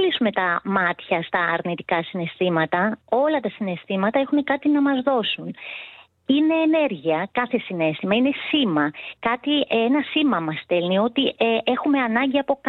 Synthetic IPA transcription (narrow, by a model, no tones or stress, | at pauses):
lisume̞t̪ɐmɐt̪çɐst̪ɐːɾnit̪i̥kɐsine̞st̪imɐt̪ɐo̞lɐt̪ɐsine̞st̪imɐt̪ɐe̞xune̞kɐt̪inɐmɐzðo̞sun | ine̞ːne̞ɾʝiɐkɐθe̞sine̞st̪imɐine̞simɐkɐt̪ienɐsimɐmɐst̪e̞lnio̞t̪iʔeʔe̞xume̞ɐnɐɲɟiɐpo̞k